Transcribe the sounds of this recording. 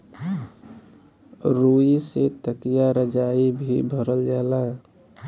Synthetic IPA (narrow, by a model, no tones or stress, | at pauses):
ɾuiset̪əkijaɾəd͡ʒaːibʱḭbʱəɾəld͡ʒaːla